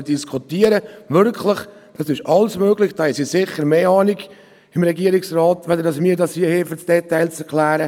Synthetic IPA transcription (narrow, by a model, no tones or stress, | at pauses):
d̥iskʰutiːəɾəʋʏɾkʰlɪχ | d̥ɑsɪʃɑlsmøːɡlɪçd̥ɑːɪsisɪχːəɾmeːɑːniɡ | ɪmɾɛɡiəɾɪksrɑːt̪ʋɛd̪ədɑsmiːəɾdɑshiəhɪːfəsd̥ɛtːaɪlsɛɾkʰlæːɾə